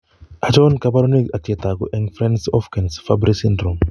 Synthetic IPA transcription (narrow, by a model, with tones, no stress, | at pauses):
ʔa˨t͡ʃɔnka˦pa˦ɾɔ˦ni˦ka˨tiɛ˨ta˨ɡṵ˨ʔɛŋfɾɛ˦nsɔ˦fkɛ˨nsfabɾi˦sindɾo˨m